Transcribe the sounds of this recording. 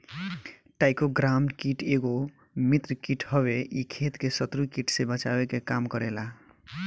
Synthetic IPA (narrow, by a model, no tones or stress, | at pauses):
ʈajkoɡɾamɖkiʈeɡo | mit̪ɾəkiʈɦʌbeikʰet̪kesʌt̪ɾukiʈsebət͡ʃaekekamkʌɾela